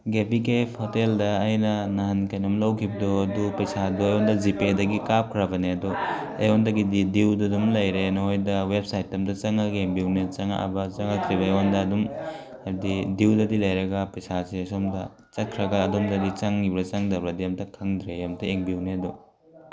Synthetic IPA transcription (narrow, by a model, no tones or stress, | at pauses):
ɡepikepʰhoteldɐːjnɐnaɦankɐjnɐmlɐwkʰibɐdoɐdupɐjsadoɐjɔndɐzipedɐɡikap̚kʰɾɐbɐneɐdo | ewɔndɐɡididiwdɐdumlɐjɾenɐɦojdɐwep̚sajtːɐmdɐt͡ʃɐŋɐɡeŋbiwnet͡ʃɐŋa̰ʔa̰bɐt͡ʃɐŋakʰɾibɐewɔndɐːdum | ɐɾdidiwdɐdilɐjɾɐɡɐpɐjsaseɐsomdɐ | t͡ʃɐt̚kʰɾɐɡɐːdumdɐdit͡ʃɐŋibɾɐt͡ʃɐŋdɐɾbɐdiɐmtʰɐkʰɐŋdɾejɐmtʰɐeŋbiwneɐdu